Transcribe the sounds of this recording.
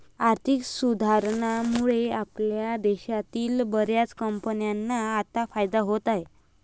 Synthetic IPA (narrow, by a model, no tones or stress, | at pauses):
aɾt̪ʰiksud̪ʱaɾɳamuɭeapljad̪ɛɕat̪iːlbəɾjat͡skəmpənjanːaːt̪afajd̪aɦot̪aɦe